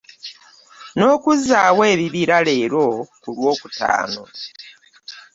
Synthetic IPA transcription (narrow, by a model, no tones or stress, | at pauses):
no̞ːkuzaːwe̞ːβiβiɾale̞ːɾo̞kulwo̞ːkuta̰ːno̞